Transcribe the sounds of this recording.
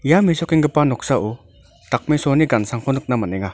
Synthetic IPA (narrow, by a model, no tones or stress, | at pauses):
jamesɔkiŋɡɯpanɔk̚saʔu | tak̚mesɔniɡansaŋkʰɔnɯk̚namaneŋa